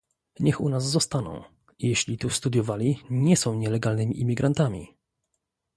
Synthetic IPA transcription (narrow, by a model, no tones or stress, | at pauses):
ɲɛxṵnazzɔst̪anɔ̰̃w̃ | ijeɕlʲit̪ust̪ud̪jɔvalʲiɲɛsɔ̃w̃ɲɛlɛɡalnɘmʲiʔimʲiɡɾant̪amʲḭ